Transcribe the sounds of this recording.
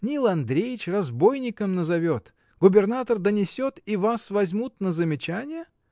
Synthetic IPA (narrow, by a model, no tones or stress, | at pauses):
nʲilˠɐnd̪ɾʲejɪt͡ɕrɐzbo̞jnʲɪkəmnəzɐvʲot̪ | ɡʊbʲɪrnat̪ərd̪ənʲɪsʲo̞t̪ivasvɐzʲmut̪nəzəmʲɪt͡ɕænʲɪjə